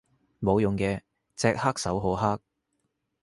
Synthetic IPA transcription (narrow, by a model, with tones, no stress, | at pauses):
mo˨˧wjʊ˨ŋkɛː˧ | t͡sɛː˧k̚haː˥k̚sɐ˨˥wɦo˨˥wɦaː˥k̚